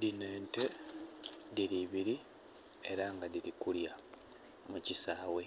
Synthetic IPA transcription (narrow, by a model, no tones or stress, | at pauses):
dine̞ːnte̞ | diɾiβiɾi | e̞ɾaŋɡadiɾikulja | mucisaːwe̞